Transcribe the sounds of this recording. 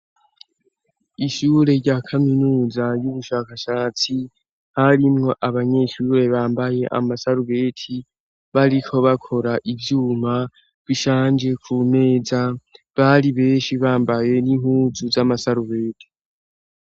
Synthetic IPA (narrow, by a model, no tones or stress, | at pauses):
iʃuːɾe̞ɾɟakʰaminuːzajuβuʃaːkaʃaːt͡si | haɾimŋo̞ʔaβaɲe̞ʃuːɾe̞βaːmbaje̞ʔa̰masaɾuβe̞ːtʰi | βaɾikʰo̞βakʰo̞ɾaʔivjuːma | βiʃaːnd͡ʒe̞kʰume̞ːza | βaɾiβe̞ːnʃiβaːmbaje̞niŋhuzuzamasaɾuβe̞ːtʰi̥